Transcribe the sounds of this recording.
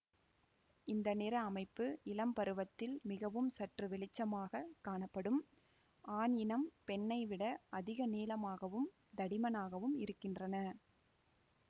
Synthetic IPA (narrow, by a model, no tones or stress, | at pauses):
ɪnd̪ɐnɪɾɐːmɐɪpːɯɪlɐmpɐɾɯʋɐt̪ːɪlmɪɣɐʋɯmsɐʈrɯʋɛɭɪt͡ʃːɐmaːɣɐkːaːɳɐpːɐɽɯm | aːɳɪnɐmpɛnːɐɪʋɪɽɐʔɐðɪɣɐneːlɐmaːɣɐʋɯm | d̪ɐɽɪmɐnaːɣɐʋɯmɪɾɯkːɪndrɐnɐ